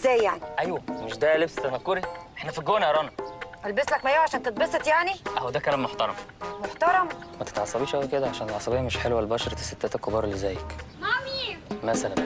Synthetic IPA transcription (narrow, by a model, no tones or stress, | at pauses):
zːæːjːaʕniʔæjwæmeʃd̪ælebst̪ænækːoɾiʔeħnæfiɡoːnæʔɾˤɑnɑʔælbeslækmæjʕaʃæːnt̪et̪̚besˤet̪jaʕniʔæhwæd̪ækælæːmːoħt̪ɑɾˤɑm | moħt̪ɑɾˤɑmmæt̪e̥t̪ʕɑsˤːɑbiːʃʔæwiked̪æʕaʃænt̪tʕɑsˤɑbiːæmeʃħelwælbɑːʃɑɾˤɑt̪e̥set̪ːæːt̪ækːobɑːɾˤlizæːjæk | mimæsælæn